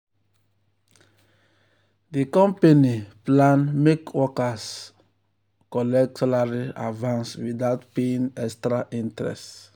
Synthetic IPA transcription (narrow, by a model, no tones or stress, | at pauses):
dikɔ̃mpeniplãnmekwɔkas | kɔlɛk̚tɔlaɹia̰vãnswidaʊtpeĩŋɛkstɾaʔĩntɹɛ̰st